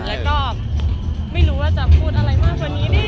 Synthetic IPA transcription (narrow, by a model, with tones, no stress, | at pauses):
lɛː˦˥wkɔː˥˩ | ma˥˩jɾuː˦˥waː˥˩t͡ɕa˨˩pʰuː˥˩t̪̚ʔa˧ɾa˧jmaː˥˩k̚ʰwa˧nːiː˦˥daː˧˥˩